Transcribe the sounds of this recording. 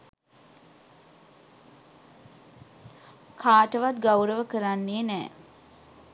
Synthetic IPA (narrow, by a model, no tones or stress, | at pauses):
kʰaːʈəʋat̪ɡawɾəʋəkəɾanːeːnɛː